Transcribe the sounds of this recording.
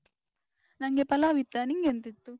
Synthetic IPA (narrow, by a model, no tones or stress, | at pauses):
nɐŋɡepɐlaʋit̪ːaniŋɡent̪it̪ːu